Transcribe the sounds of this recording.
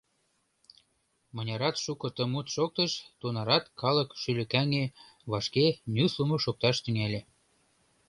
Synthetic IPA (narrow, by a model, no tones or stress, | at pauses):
mɤ̆nʲɑɾɑt̪ʃukɤ̆t̪əmut̪ʃok̚t̪əʃt̪unɑɾɑt̪kɑləkʃylɘ̆kæŋe | βɑʃkenʲyslumoʃok̚t̪ɑʃt̪yŋælʲe